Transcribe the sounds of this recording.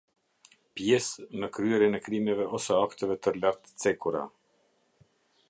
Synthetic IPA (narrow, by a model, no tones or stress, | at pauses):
pjɛsməkɾyɛɾinɛkɾimɛvɛɔsɛakt̪ɛvɛt̪əɾlaɾt̪ə̥t͡sɛkuɾa̰